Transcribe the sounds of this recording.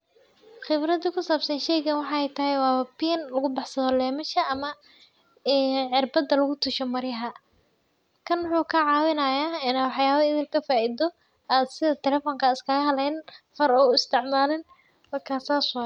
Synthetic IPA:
χɪbɾɐd̪ɐkʰʊsaːbsɐnʃɛjɣɐnwɑħɑɛjt̪ʰɐɦɛjwɑːbiːnlɐɣʊbɑħsɐðɔlɛːmɐʃɐʔɐmɐ | ʕɪrbɐd̪ɐlɐɣʊt̪ʰʊʃɔmɐɾɪjɐɦɐ | kʰɐnwʊħuːkʰɐʕɑːwɪnɐjaːɪnawɑħjaːβɐɪðɪlkʰɐfaːʔiːd̪ɔ | aːd̪sɪðɐt̪ʰɛlɛfɔŋkʰɐɪskʰɐɣɐɦɐlɛjnfɐɾɔɪst̪ʰɪʕmaːlɪn | mɐrkʰaːsaːswa

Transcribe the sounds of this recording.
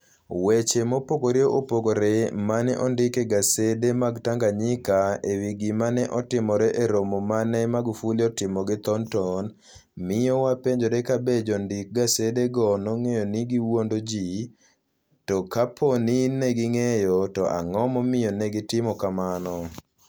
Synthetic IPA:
wet͡ʃemopokoɾioʔopokoɾemanɛʔɔndɪkeɡasedemaɡtaŋɡaɲɪkaewiɡimanɛʔɔtɪmɔɾɛʔeɾomomanɛmaɡufuliɔtɪmɔɡɪt̪ɔntɔn | mɪjɔwapeɲd͡ʒoɾekabed͡ʒɔndɪk̚ɡasedeɡɔnɔŋejɔniɡiwondod͡ʒi | tɔkapʰoninɛɡɪŋejɔtɔʔa̰ŋɔmɔmɪjɔnɛɡɪtɪmɔkamanɔ

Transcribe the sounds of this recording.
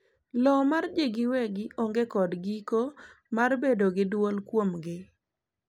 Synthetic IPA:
lɔmard͡ʒeɡɪwɛɡɪʔoŋɡekɔdɡiko | marbedoɡɪdwolkwomɡɪ

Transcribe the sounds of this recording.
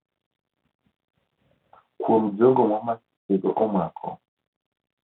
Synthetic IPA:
kwom̩d͡ʒɔɡɔmwamasi̥ɛɡɔ̰ʔɔmwakʰɔ̰

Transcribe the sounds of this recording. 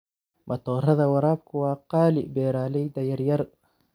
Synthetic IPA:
mɐt̪ʰɔːrɐðɐwɐɾaːb̚kʰʊwɑːqɑːlɪʔbɛːɾaːlɛjd̪ɐjɐrjɐr

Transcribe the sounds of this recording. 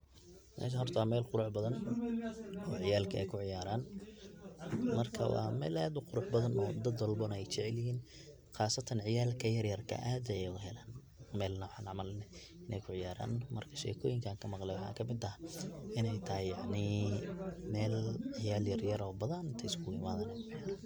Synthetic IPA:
mʔɛ̰ːʃ̬ɐɦɔrt̪ʰwaːmɛːlqʊɾʊħbɐðɐn | ɔːʕɪjaːlkʰɐʔɛ̰jkʰʊʕɪjaːɾaːn | mɐrkʰɐ̰wɑ̰ːmɛːlaːd̪ʊqʊɾʊħbɐðɐnɔ̰ːd̪ɐd̪wɐlbɔnɐɛjt͡ʃɛʕɛlɪhiːn | χɑːsɐt̪ʰɐnʕɪjaːlkʰɐjɐrjɐrkʰɐ̰ʔaːd̪ɛjɛjɡʊɦɛlaːn | mɛːlnɐwʊħɑːnʕɑʕmɐlnɛ | ʔɪnɛjkʰʊʕɪjaːɾa̰ːnmɐrkʰɐ̥ʃɛ̰ːkʰɔːjɪŋkʰaːŋkʰɐmɑqlɛjwʊħɑ̰ːkʰɐmɪd̪ɐʔɪnɛjt̪ʰɐɦɪjɑʕnɪ | mɛːlʕɪjaːljɐrjɐɾɔːbɐðaːnɪnt̪ʰɛɪskʰʊɪmaːðaːnɛjkʰʊʕɪjaːɾan

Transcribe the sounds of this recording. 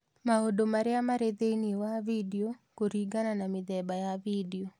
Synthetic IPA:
maodomaɾɛamaɾed̪einiwavidiokoɾiɡananamɪðɛbajavidio

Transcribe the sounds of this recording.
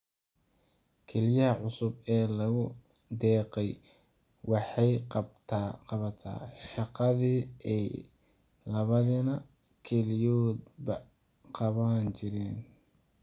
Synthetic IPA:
kʰɛlijɐhɐʕʊsʊbɛːlɐɣʊd̪ɛːqɛj | wɑħɑjqɑt̪ʰaqɑβɐt̪ʰa̰ː | ʃɑqɑði | ɛj | lɐβɐðɐnɐkʰɛlijɔːd̪bɐqɑβaːnt͡ʃɪɾɛːn

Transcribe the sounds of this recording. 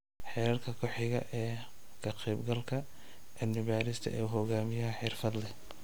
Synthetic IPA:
ħɛːɾɐrkʰɐkʰɔħɪɣɐ̰ʔɛː | kʰɐqɛːbɡɐlkʰɐ | ʔɛnɪβaːɾɪst̪ʰɐ̰ʔɛ̰ːɦɔɣaːmɪjɐɦɐħɪrfɐd̪lɛ

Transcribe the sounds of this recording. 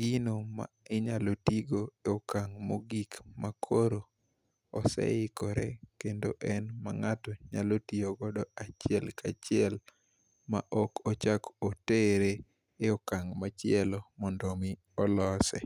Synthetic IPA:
ɡinoma̰ɪɲalotiɡoeɔkaŋmoɡikmakʰoɾoː | sɛ̰ɪkɔɾɛ̰kendo̰ʔɛnmaŋatɔɲalotioɡɔdɔat͡ʃɪɛlkat͡ʃɪɛl | ma̰ʔɔkɔt͡ʃakoteɾe | eɔkaŋmat͡ʃɪɛlɔmɔndɔmɪ | ɔlɔsɛ̰

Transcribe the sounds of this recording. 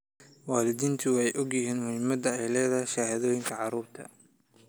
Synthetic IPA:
wɑːlɪðiːnt̪ʰʊwħɛjʔɔɡjɪɦiːnmʊhɪmɐd̪ɐɛjlɛːðɐʃaːhɐðɔːjɪŋkʰɐʕɑɾuːɾt̪ʰɐ̰

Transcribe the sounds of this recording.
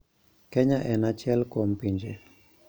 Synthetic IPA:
kɛɲaʔɛnat͡ʃjɛlkom̩piɲd͡ʒe

